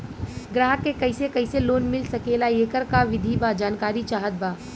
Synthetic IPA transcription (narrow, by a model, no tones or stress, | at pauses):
ɡɾaːɦəkːekɐɪsekɐɪseloːnmɪlsɐkeːlaeːkəɾkaʋɪd̪ʱibad͡ʒaːnkaːɾit͡ʃaːɦət̪̚baː